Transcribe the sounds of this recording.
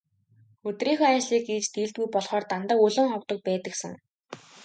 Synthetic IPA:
ɵt̪riːŋxɔːæt͡ɕɮiːkiːt͡ɕt̪iːɮt̪ujpɔɮχɔːrt̪ant̪ə̆kɵɮɵ̆ŋχɔwt̪ɞ̆k̚pæːt̪ə̆ksə̆ŋ

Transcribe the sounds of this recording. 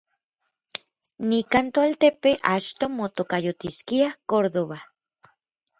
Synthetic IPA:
nikant̪oalt̪epeʔat͡ʃt̪omot̪okajot̪iskiakoɾðoβa

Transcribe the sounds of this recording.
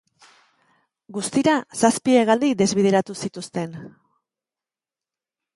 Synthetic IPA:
ɡust̪iɾasaspieɣald̪id̪e̞zβið̞e̞ɾat̪usit̪ust̪e̞n

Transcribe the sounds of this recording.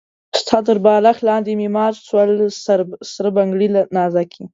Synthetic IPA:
st̪ʰɑt̪̬əɾbɑlaxlɑnd̪emimɑːɾswalsɾsɾəbaŋɡɽilanɑzakʰi

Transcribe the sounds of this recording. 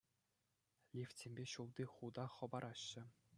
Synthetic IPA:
lʲifʲtʲemʲbʲeɕulˠd̪ʲiχud̪ɑχɤ̆bɑɾʔɑɕːɘ̆

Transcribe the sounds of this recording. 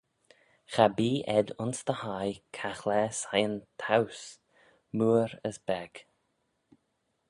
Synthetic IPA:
xabiːʔɛd̪ʊnsd̪əhajkʰaxlɛsajənt̪ʰaws | muːɾə̰sbɛɡ̥

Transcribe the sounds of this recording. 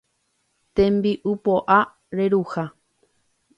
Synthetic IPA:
t̪ẽmbiʔupoʔa | ɾe̞ɾuha

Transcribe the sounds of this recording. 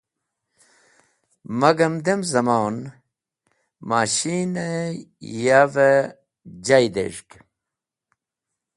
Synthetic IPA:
mɐɡɐmd̪emzɐmaːn | maːɕiːne | jave | d͡ʑajd̪ḛʂk

